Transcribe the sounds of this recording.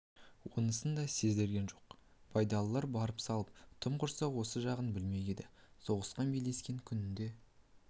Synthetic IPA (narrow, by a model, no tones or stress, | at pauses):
wo̞̰nəsənd̪ɑse̞zd̪e̞ɾɡʲe̞nʒo̞q | pʰɑjd̪ɑlˠəlˠɑɾbɑɾəpsɑlˠəp̚t̪ʰʊmqʰʊɾsɑwo̞səʒɑʁənbɪlme̞ɡʲed̪ɪso̞ʁəsqɑnbejle̞skʲe̞ŋkʲʰʏnɪnd̪e̞